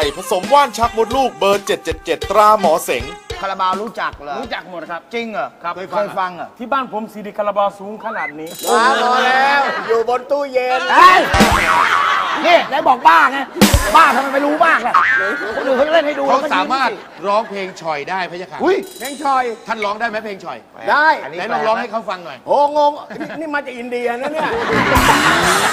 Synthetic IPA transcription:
jpʰa˧so˨˩˦mwaː˥˩nt͡ɕʰa˦˥k̚mo˦˥t̪̚luː˥˩k̚bɤː˧nt͡ɕe˨˩t̪̚t͡ɕe˨˩t̪̚t͡ɕe˨˩t̪ːɾaː˧mɔː˩˦se˩˦ŋkʰa˧la˧baː˧ɾuː˦˥t͡ɕa˨˩k̚la˧ɾuː˦˥t͡ɕa˨˩k̚mo˨˩t̪̚kʰa˦˥t͡ɕi˧ŋa˨˩a˦kʰoː˧faː˧jfa˧ŋa˨˩t̪ʰiː˥˩baː˥˩npʰo˧˦msi˨˧diː˧˩kʰa˧la˧bɔː˧suː˨˦ŋkʰa˧naː˨˩t̪̚niː˦˥˧a˧mɔː˧lɛː˦˥wjuː˨˩bo˧nt̪uː˥˩je˧nt͡ɕʰa˥˩˥j | niː˥˩daː˨˧˦jbɔː˨˩k̚baː˥˩na˧˥baː˥˩t̪ʰa˧mːa˧jma˧jɾuː˦˥maː˥˩k̚lɛ˧˩ɔ˧˦duː˧oː˧˥˩t͡ɕle˥˩nha˥˩jduː˧a˨˧˦saː˨˦maː˥˩t̪̚ | ɾɔː˦˥ŋpʰeː˧ŋt͡ɕʰɔ˨˩jdaː˥˩jpʰa˧ja˧kʰa̰˨˩ʔu˦˥˩jpʰeː˧ŋt͡ɕʰɔ˨˩jt̪ʰa˥˩nɾɔː˦˥ŋdaː˥˩jma˦˥pʰeː˧ŋt͡ɕʰɔ̰˨˩j | daː˥˩ja˦jlɔː˧˥˩ŋlɔː˦˥ŋha˥˩jkʰa˦˥˩wfa˧ŋnɔ˨˩jho˧ŋo˧ŋ˧˥˩niː˥˩maː˧˥t͡ɕaː˨˩k̚ʔi˧ndi˧ɐ˧na˦˥˦ni˥˩ɐ˧˩kʰo˧˥˩pa˧˩a˧˩˧

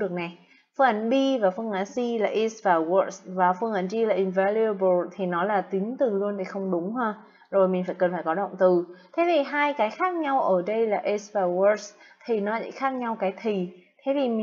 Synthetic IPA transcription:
ɨ˨˩ək̚na˨˩j | fɨ˧ŋʔa˧˩nɓi˧vaː˨˩fɨ˧əŋʔaː˧˩nsi˧laː˨˩ʔi˧˥svaː˨˩wə˧˥˩svaː˨˩fɨ˧əŋʔa˧˩nt͡ɕi˧laː˨˩ʔi˨˩nvaː˧li˧ə˧ɓo˨˩t̪ʰi˨˩nɔ˨˦laː˨˩t̪i˨˦əŋt̪ɨ˨˩lu˧ənt̪ʰi˨˩xə˧wŋ͡mɗʊ˨˦ŋ͡mhaː˧ | zo˨˩jmï˨˩ŋ̟faː˧˩jkə˨˩nfaː˧˩jkɔ˨˦ɗə̰˧˨wŋ͡mt̪ɨ˨˩t̪ʰe˨˦t̪ʰi˨˩ɦaː˧jkaː˨˦jxaː˦˥k̚ɲa˧wʔəː˧˩ɗə˧jlaː˨˩ʔi˧svaː˨˩wə˧s | t̪ʰi˨˩nɔ˨˦t͡ɕḭ˧˥xaː˦˥k̚ɲa˧wkaː˨˦jt̪ʰi˨˩t̪ʰe˨˦vi˨˩m˨

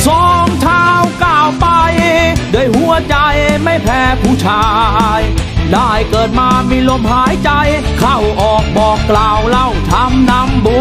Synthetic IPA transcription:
sɔː˦ŋt͡ɕʰaː˧wkaː˨˩wpa˧jdɯ˧˩˨jhu˧˥˩ət͡ɕa˧jma˥˩jpʰɛː˧˥pʰuː˧˩t͡ɕʰaː˧jdaː˥˩jkɤː˨˩t̪̚maː˧miː˧lo˧mhaː˨˦˥jt͡ɕa˧j | kʰa˥˩wʔɔː˨˩k̚bɔː˨˩kːlaː˨˩wla˧˥˩wt̪ʰa˧˥mna˧˥mbu˧˦

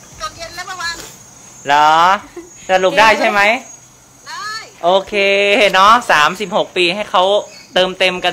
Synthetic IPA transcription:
lɔː˨˦sa˧lu˨˩p̚daː˥˩jt͡ɕʰa˥˩jma˦˥j | ʔoː˧kʰeː˧nɔ˦˥saː˩˦msi˨˩p̚ho˨˩k̚piː˧ɦa˥˩jkʰa˦˥wt̪ɤː˧mt̪e˧mka˧

